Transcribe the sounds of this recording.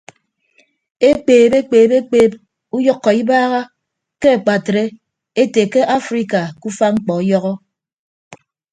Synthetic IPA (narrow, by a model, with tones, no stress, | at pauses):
e˦k͡peː˨be˦k͡peː˨be˦k͡peː˨p̚ | u˦jɔ˦kːɔ˨i˦baː˦ɣa˦ | ke˦a˨k͡pa˨tɾe˦ | e˦te˨ke˦ʔa˦fɾi˦ka˨ku˦fa˦ŋ͡m̩˦k͡pɔ˨˦jɔ˦ɣɔ˦